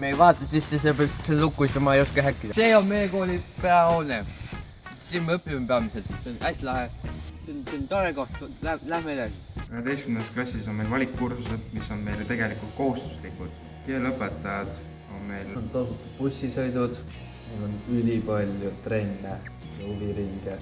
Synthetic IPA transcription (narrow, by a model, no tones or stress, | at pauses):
mejvɑːt̪ːˑɑsisːesepeselukːˑuist̪umɑejoskeɦækːid̪ɑseːonmejekoːlʲipeɑone | sinmɤpːˑiempeɑmiselt̪seonʔæsʲlɑhesinsint̪ɑɾekoht̪ulælæmeleɡkøɦet̪e̞jstkymnɑsklɑsːis̬o̞nmejlvɑlʲikːkursused̪miso̞nme̞jlet̪e̞ɡ̥e̞likˑult̪̚ko̞hust̪u̥slikːˑud̪̥ | k̪eːlɤpːˑet̪ːˑɑjɑd̪̥ | o̞nme̞jlont̪osut̪ːu̥pusʲːisɤjd̪ud̪̥ | mulonylʲipɑlʲjut̪re̞nːe | jɑuliɾiŋɡ̥e